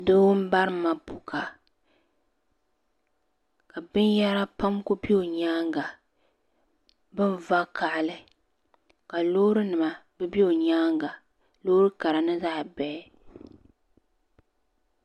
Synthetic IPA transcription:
do˦m̩˦ba˦ɾɨ˦ma˨bu˨ka˨ | ka˨bɨ˦n˦ja˦ɾa˦pa˦mko˦bi˦o˨ɲaː˦ŋɡa˨ | bɨ˦nva˦ka˨ʔlɨ˨ | ka˨loː˦ɾɨ˦nɨ˨ma˨bɨ˦bi˦o˨ɲaː˦ŋɡa˨ | loː˦ɾɨ˦ka˨ɾa˨nɨ˦za˦ʔbɛ˨˦

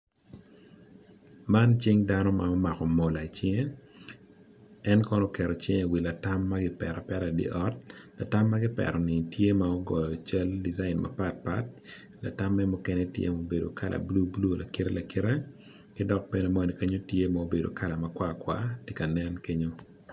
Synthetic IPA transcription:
ma˦nt͡ʃi˦ŋda˦nɔ˦ma̰˨ɔ˦ma˨kɔ˨mo˨la˨i˨t͡ʃɪ˦ŋe˦ | ɛ˦nkɔ˦nɔ˦kɛ˨ɾɔ˨t͡ʃe˦ŋe˨wi˨la˨ta˦mːa˦ɡɪ˦pɛ̰˨ɾa˨pɛ˦ɾa˨dḭ˦ʔɔ˦t̚la˨ta˦mːa˦ɡɪ˦pɛ̰ɾɔ˨nɪ˨tje˦maɔ˦ɡɔ˨jɔ˨t͡ʃɛ˦ldi˨za˦ɪ˨nma̰˨pa˦t̚pa̰˦t̚ | la̰˨ta˦mːɛ˦mʊ˦kɛ˦nɛ˦tjḛ˦mo˨˦be˨do̰˨ka˦lʔa̰˨blu˦blu˦˨la˨ki˦ɾe˦la˨ki˦ɾe˦ | kɪ˦dɔ˦k̚be˦ne˨mɔ˦ni˨ke˦ɲo˦tje˦mao˦be˨do̰˨ka˦la˨ma˨kwa˦kwa̰˦ti˦ka˨nɛ˦nke˦ɲo˦

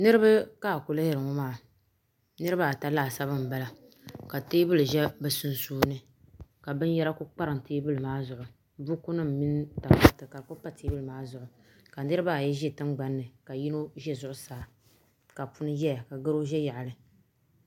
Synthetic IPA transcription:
nɨ˦ɾɨ˦ba˦ka˦˨ku˨la˦hɪ˨ɾɨ˨ŋɔ˦maː˨ | nɨ˦ɾɨ˦ba˦a˨ta˦laː˦˨sa˦bɨ˦m̩˨ba˦la˦ | ka˨teː˦bɨ˦lɨ˨ʒɛ˦bɛ˨su˦nsuː˦nɨ˦ | ka˨bɨ˦n˦jɛ˦ɾa˦kʊ˦k͡pa˦ɾɨ˨ŋ˨teː˦bɨ˦lɨ˨maː˦zʊ˨ʔʊ˨ | bu˦ku˦nɨ˦m˨mi˦n˦ta˨pa˦˨tɨ˨ka˨kʊ˦pa˦teː˦bɨ˦lɨ˨maː˦zʊ˨ʔʊ˨ | ka˨nɨ˦ɾɨ˦ba˦a˨jɛ˦ʒɛ˦tɨ˦ŋ͡mɡ͡ba˨nːɨ˨ka˨ji˦no˦ʒɛ˦zʊ˦ʔʊ˦saː˨ | ka˨pu˦nɨ˦jɛ˦ja˨ka˨ɡɨ˦ɾo˦ʒɛ˦ja˨ʔlɨ˨

